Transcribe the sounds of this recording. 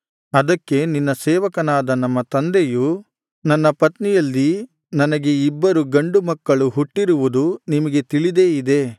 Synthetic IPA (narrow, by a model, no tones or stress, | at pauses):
ɐd̪ɐkːe̞ninːɐsɛːʋɐkɐnaːd̪ɐnɐmːɐt̪ɐnd̪eju | nɐnːɐpɐt̪nijɐlːi | nɐnɐɡe̞ibːɐɾuɡɐɳɖumɐkːɐɭuɦuʈːiɾuʋud̪unimɐɡe̞t̪iɭid̪e̞ːid̪e̞